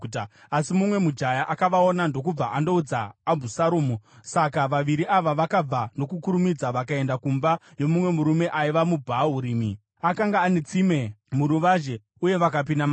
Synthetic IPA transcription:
asimumwe̞mud͡ʒajaʔakaʋao̞nando̞kub͡vaʔando̞ud͡zaːbʱusaɾoːmusakaʋaʋiɾiʔaʋaʋakab͡vando̞kukuɾumid͡zaʋakae̞ndakumbajo̞mumwe̞muɾume̞ʔaiʋamubʱaɦuɾiːmḭ | akaŋɡaːnet͡sime̞muɾuʋaʒe̞ | uje̞ʋak̬ap̬inama

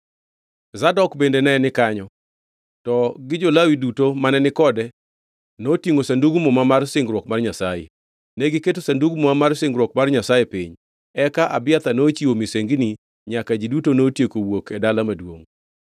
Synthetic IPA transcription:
zadɔkbendenɛnɪkaɲɔ | tɔɡɪd͡ʒolawidutomanɛnɪkɔdɛ | notiŋosanduɡumɔmamarsɪŋɡɾwɔkmarɲasajḛ | nɛɡɪketosanduɡmomamarsɪŋɡɾwɔkmarɲasajepiɲ | ɛkaʔabɪat̪anoːt͡ʃiwomiseŋɡni | ɲakad͡ʒidutonotjekowokʰɛdalamadwoŋ

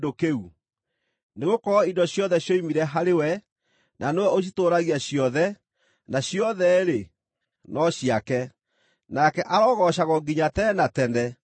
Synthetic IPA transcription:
dokeu | neɣokɔɔidɔɕjɔðɛɕjoimiɾɛɦaɾewɛ | nʔanewɛoɕ̬itoːɾaɣiaɕjɔðɛ | naɕjɔðɛɾe | nɔɕiakɛ | nakɛʔaɾɔɣɔɕaɣɔɡiɲatɛnatɛndɛ

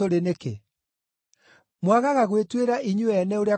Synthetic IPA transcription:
oɾenekḛ | mwaɣaɣaɣwetweɾaiɲuɛnɛoɾea

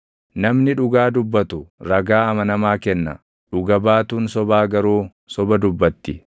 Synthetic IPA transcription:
nɐmnɪᶑʊɡaːd̪ʊbːɐt̪ʊɾɐɡaːɐmɐnɐmaːkɛnːɐ̰ | ᶑʊɡɐbaːt̪uːnsɔbaːɡɐɾoː | sɔbɐd̪ʊbːɐt̪ːɪ

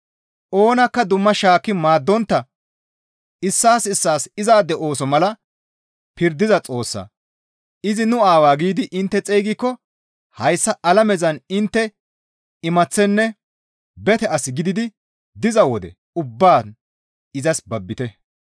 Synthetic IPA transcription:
ʔo̞ːnɐkːɐd̪ʊmːɐʃaːkːɪmaːd̪ːɔnt̪ːɐ | ɪsːaːsɪsːaːsɪzaːd̪ɛʔo̞ːsɔmɐlɐ | pɪɾd̪ɪzɐt͡sʼo̞ːsːɐ̰ | ɪzɪnʊaːwaːɡiːd̪ɪʔɪnt̪ːɛt͡sʼejɡɪkːɔ | hɐjsːɐʔɐlɐmɛzɐnɪnt̪ːɛ | ɪmɐt͡sːɛnːɛ | bɛt̪ɛɐsɪɡɪd̪ɪd̪ɪ | d̪ɪzɐwɔd̪ɛ̰ | ʊbːaː | ɪzɐsbɐbːɪt̪ɛ

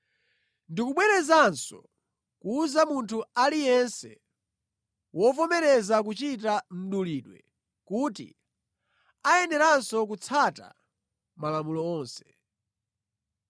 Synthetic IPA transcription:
ndikuɓwɛɾɛzansɔ̰ | kuːzamuntʰualijɛnsɛ | wʔɔpɔmɛɾɛzak̬ut͡ʃitam̩ɗuliɗwɛ̰ | kutḭ | ajɛnɛɾansɔk̬ut͡sʰata̰ | malamulɔɔːnsɛ̥

